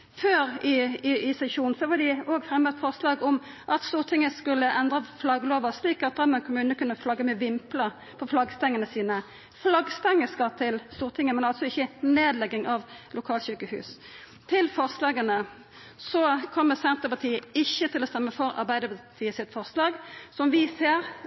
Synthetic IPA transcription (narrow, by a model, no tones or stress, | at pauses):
føːɾɪɪɪsɛʃuːn̩sɔʋɑd̪ɪoːɡfʁɛmːət̪fɔʁslɑːɡɔm | ʔɑt̪st̪uːʁt̪ʰɪŋːəskʉlːəʔɛnd̪ʁɑflɑɡəloːʋɑsliːkɑt̪̚d̪ɑmɛnkʰʊmʉːnəkʉnːəflɑɡːəmʉːʋɪmplə | pʰɔflɑɡst̪ɛŋːənəsiːnə | flɑɡst̪ɛŋːəskɑt̪ʰɪlst̪uːʁt̪ʰɪŋːəmɛnɑlsɔɪçːəneːd̪lɛɡːɪŋʔɑʋlʊkʰɑːlɕykəhʉ̰ːs | t̪ʰɪlfɔʁslɑːɡənə | sɔkʰɔmːəsɛnt̪əpɑt̪ʰiːəɪçːət̪ʰɪlɔst̪ɛmːəfɔɾɑ̰ɾbæɪd̪əpɑt̪ʰiːəsɪt̪fɔʁslɑːɡsɔmʋɪseːɾ